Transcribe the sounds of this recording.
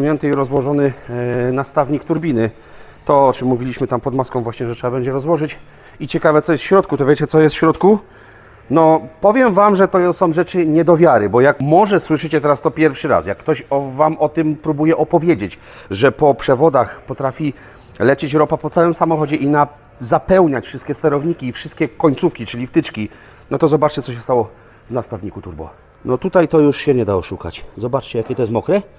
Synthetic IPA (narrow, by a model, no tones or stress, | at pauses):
ɲjɛnt̪ɨiɾɔzwɔʐɔnɘnast̪avɲikt̪uɾbʲinɘ | t̪ɔɔt͡ʂɛmːuvʲilʲiɕmɘt̪ampɔd̪maskɔ̃wvwaɕɲɛʐɛtʂɛbabɛɲd͡ʑɛɾɔzwɔʐɘt͡ɕ | it͡ɕɛkavɛt̪sɔjɛst̪fɕɾɔt̪̚kut̪ɔvʲet͡ɕɛt̪sɔjɛst̪fɕɾɔt̪ku | nɔpɔvʲjɛmvamʐɛt̪ɔsɔ̃w̃ʐɛt͡ʂɘɲɛd̪ɔvʲjaɾɘbɔjakmɔʐɛswɘʂɘt͡ɕɛt̪ɛɾast̪ɔpʲjɛɾfʂɘɾa̰sja̰kːt̪ɔɕɔvamɔt̪ɘmpɾubujɛʔɔpɔvʲjed͡ʑet͡ɕ | ʐɛpɔpʂɛvɔd̪axpɔt̪ɾafʲi | lɛt͡ɕɛt͡ɕɾɔpapɔt̪sawɛmsamɔxɔd͡ʑɛʔina | zapɛwɲat͡ɕfʂɘst̪̚kʲɛst̪ɛɾɔvɲikʲiːfʂɘst̪kʲɛkɔɲt̪sufkʲit͡ʂɘlʲift̪ɘt͡ʂkʲi | nɔt̪ɔzɔbat͡ʂt͡ɕɛt̪sɔɕɛst̪awɔ | vnast̪avɲikut̪uɾbɔ̰v | nɔt̪ut̪ajt̪ɔjuʂɕɛɲɛd̪aɔʂuka̰t͡ɕzɔbat͡ʂt͡ɕɛjakʲɛt̪ɔjɛst̪mɔkɾɛ